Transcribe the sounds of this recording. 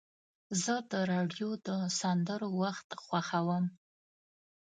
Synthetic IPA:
zɨdɨɾaɖiodɨsandɨrwaχtʰʼχʷɑχawam

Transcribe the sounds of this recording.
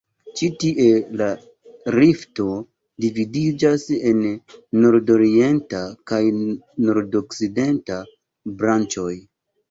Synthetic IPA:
t͡ʃitiʔe̞la | ɾifto̞ | dividid͡ʒase̞nːo̞ɾdo̞ɾie̞ntakajno̞ɾdokside̞nta | bɾant͡ʃo̞j

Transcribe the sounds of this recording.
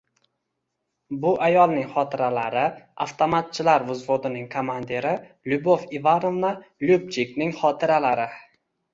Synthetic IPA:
bʊʔajɒlˠnɪŋχɒt̪ʰɪɾalaɾɪa̰ft̪ʰomat̪̚t͡ʃʰɪlaɾvʊzvod̪ɪnɪŋkʰomand̪eɾɪ | lʲʊbofivanovnalʲub̚t͡ʃʰiknɪŋχɒt̪ʰɪɾalaɾɪ

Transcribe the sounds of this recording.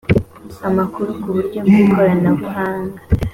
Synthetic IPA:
amakuɾukuβuɾɟomikʰoɾanaβuɦaːŋɡa

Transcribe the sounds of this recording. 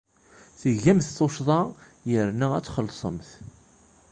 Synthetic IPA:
θəʝːæmθθoʃðˤɑ | jəɾnææt͡sːχəlsˤə̰mθ

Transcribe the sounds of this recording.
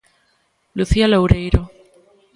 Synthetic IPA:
luθialowɾejɾo

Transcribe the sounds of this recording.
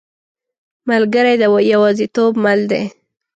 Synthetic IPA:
malɡəɾajd̪əjawɑzit̪obmald̪ḛ

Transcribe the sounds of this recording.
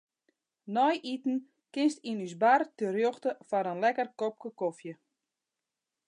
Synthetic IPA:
nɔjʔitn̩ | kɪnstinysbartərjoxtəfanənlɛkərkop̚kəkofjə

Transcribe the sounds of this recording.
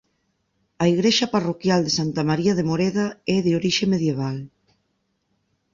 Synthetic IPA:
ɐiɣɾeʃɐparokjald̪esant̪amaɾiɐðemoɾeðaɛðeoɾiʃemeðjeβal

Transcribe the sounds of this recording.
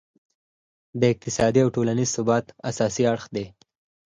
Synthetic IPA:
d̪əɪk̚t̪ɪsɑd̪iawʈolanizsʊbɑt̪a̰sɑsiaɽxd̪e

